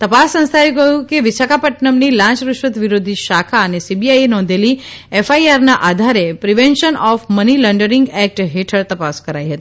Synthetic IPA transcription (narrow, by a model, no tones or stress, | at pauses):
t̪əpasːə̃ñst̪ʰajũkəjũkeʋɪsakapəʈnəmnilãt͡ʃɾʊʃʋət̪ʋiɾod̪ʱiʃakʰaənesibiajenɔ̃nd̪ʱeli | efaiaɾnaʔad̪ʱaɾepɾiʋenʃənɔfməniləɳɖəɾɪŋɡɛk̚ʈɦeʈʰəɭt̪əpaskəɾajɦət̪i